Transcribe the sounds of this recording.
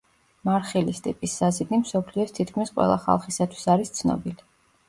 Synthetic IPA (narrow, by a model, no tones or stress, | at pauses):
maɾχilist̪ʼḭpʼisːazid̪nimsɔpʰliɔst̪ʰit̪̚ʰkʰmisqʼwɛ̰lˠa̰χa̰lˠχisat̪ʰwi̥saɾist̪sʰnɔ̰bili